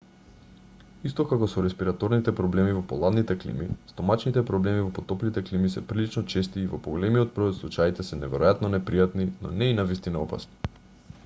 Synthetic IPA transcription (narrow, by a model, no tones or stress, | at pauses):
ist̪okakoɔsoɾɛspiɾat̪ɔɾnit̪ɛpɾɔblɛmivopolˠad̪nit̪ɛklḭmist̪omat͡ʃnit̪ɛpɾɔblɛmivopot̪ɔplit̪ɛklimisɛpɾilit͡ʃnɔt͡ʃɛst̪iːvopoɡolɛmiot̪̚bɾɔjt̪slˠut͡ʃait̪ɛsɛnɛvɛɾojat̪nonɛpɾijat̪ninɔ̰nɛinavist̪inaɔpa̰sni̥